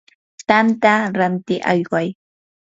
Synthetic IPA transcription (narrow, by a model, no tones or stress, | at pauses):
t̪ant̪aɾant̪ɪʔɑ̰jwaj